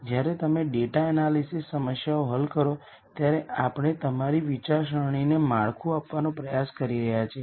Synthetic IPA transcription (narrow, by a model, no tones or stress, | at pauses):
d͡ʒjaɾet̪əmeɖeʈaɛnalisisːəməʃjaoɦəlkəɾo | t̪jaɾeapɽ̃et̪əmaɾiʋit͡ʃaɾʃəɳ̃inemaɭkʰũapʋanõpɾəjaskəɾiɾəɦjat͡ʃʰe